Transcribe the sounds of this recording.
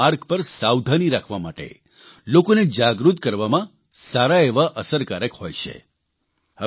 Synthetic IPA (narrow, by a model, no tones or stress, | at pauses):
aɾkpəɾsawd̪ʱaniɾakʰʋamaʈḛ | lokoned͡ʒaɡɾut̪̚kəɾʋamã | saɾaeʋaʔəsəɾkaɾəkhojt͡ʃʰḛ | hə